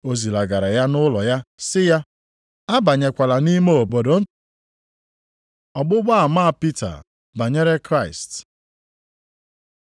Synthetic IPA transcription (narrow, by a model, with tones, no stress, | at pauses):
o˦zi˨la˨ɡa˨ɾa˨ja˦nʊ˦lɔ˨ja˦sɪ˦ja˦ | a˦ba˨ɲe˨kʷa˨la˨ni˦me˦o˨bo˨do˦ | ɔ˨ɡ͡bʊ˦ɡ͡ba˦a˨ma˦˨pi˦ta̰˨ | ba˨ɲe˦ɾe˦kɾa˦˨ɪ˨st